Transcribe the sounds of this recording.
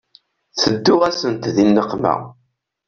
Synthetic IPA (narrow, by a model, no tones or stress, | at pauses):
θəd̪ːʊʁæsənt̪ðinːəqːmæ̰